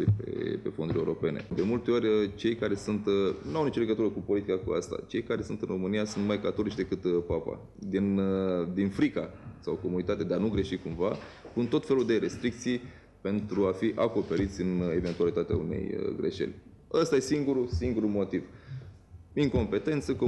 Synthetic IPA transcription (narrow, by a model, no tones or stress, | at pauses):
ipḛpe̞̰fond̪uɾʲeuɾo̞pe̞̰ne̞̰d̪e̞mult̪e̞o̞rʲət͡ʃe̞jkaɾe̞sunt̪nuawnit͡ʃole̞ɡət̪uɾəkupo̞lit̪ikakua̰st̪a̰t͡ʃe̞jkaɾe̞sunt̪ɨnro̞mɨnijasunt̪majkat̪o̞lit͡ʃd̪ekɨt̪papa̰ | d̪inəd̪infɾikasawko̞munit̪at̪ead̪eanuɡɾe̞ʃikumva | punt̪o̞t̪fe̞luld̪e̞ɾe̞st̪ɾik̚t̪sij | pe̞nt̪ɾuafiʔako̞pe̞ɾit̪sʲɨne̞ve̞nt̪ualit̪at̪ea̰unḛjə̰ɡɾe̞̰ʃe̞̰lʲ | əst̪aje̞siŋɡuɾusiŋɡuɾumo̞t̪iv | iŋko̞mpe̞t̪e̞nt̪səku